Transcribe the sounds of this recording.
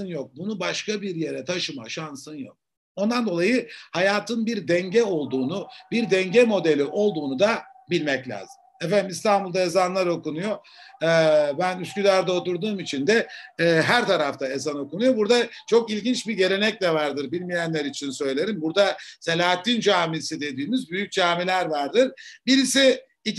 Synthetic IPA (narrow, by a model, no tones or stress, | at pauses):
ɯnjo̞k̚bunubaʃkabiɾje̞ɾɛt̪ʰaʃɯma̰ʃansɯnjo̞̰k̚ | o̞nd̪and̪o̞lˠajɯhajaːt̪ʰɯnbiɾd̪ɛɲɟɛo̞lˠd̪uːnubiɾd̪ɛɲɟɛmo̞d̪elʲiʔo̞lˠd̪uːnud̪a | bilʲmɛclʲa̰ːzɯmmɛfænimist̪ʰanbulˠd̪aezanlˠaɾo̞kunujo̞ | bænyscylʲæɾd̪ɛo̞t̪uɾd̪uːmit͡ʃʰind̪ɛɦæɾt̪ʰaɾaft̪ʰae̞zano̞kunujo̞buɾd̪at͡ʃʰo̞kilʲɟint͡ʃbiɟe̞ɾe̞nɛclʲɛvaɾd̪ɯɾbilʲmijænlʲeɾit͡ʃʰinsø̞jlʲe̞ɾimbuɾd̪ase̞lʲaːt̪ʰːind͡ʒaːmisid̪e̞d̪iːmyzbyjyc̚d͡ʒaːmilʲæɾvaɾd̪ɯɾbiɾisi | i